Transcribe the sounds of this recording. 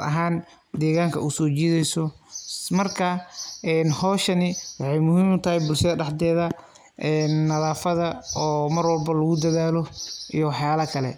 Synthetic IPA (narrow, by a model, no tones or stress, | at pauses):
ɐ̰ɦaːn | d̪ɛːɣaːŋkʰɐusɔːt͡ʃiːðɛjsɔmɐrkʰɐɛnhɔːʃɐnɪwɑħɑjmʊɦiːmʊt̪ʰɐɦɛjbʊlʃɐðɐɖɑħd̪ɛːðɐ | ʔɛːnːɐðaːfɐðɐɔːmɐrwɔlbɐlɐɣʊd̪ɐðaːlɔijɔwɑħjaːlɐkʰɐlɛ̰